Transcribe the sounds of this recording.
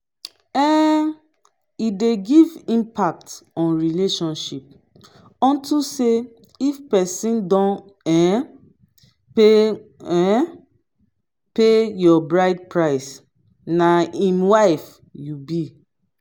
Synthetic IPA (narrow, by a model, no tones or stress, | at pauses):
ɛ | ideɡivĩmpak̚tɔ̃nɹileʃɔ̃nʃip̚ | ɔ̃ntʰuse | ifpɛsĩndɔ̃n | ɛ | peɛ | pejɔbɹaɪd̚pɹaɪs | naĩnwaɪf | jubi